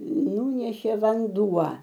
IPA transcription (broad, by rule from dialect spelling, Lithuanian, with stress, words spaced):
ˈnuːnʲɛʃʲeː ʋɐnˈduɔ